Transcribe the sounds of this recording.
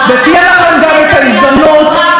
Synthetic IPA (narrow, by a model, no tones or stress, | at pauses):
vet̪ijɛlaχemɡamet̪aisd̪amnot̪